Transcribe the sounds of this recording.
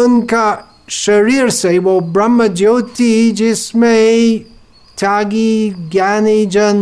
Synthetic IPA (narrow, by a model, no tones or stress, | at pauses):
ʊnka | ʃɐɾiɾsewobɾɐmːəd͡ʒowt̪id͡ʒɪsme | t̪ʰjaːɡiɡjanid͡ʒɐn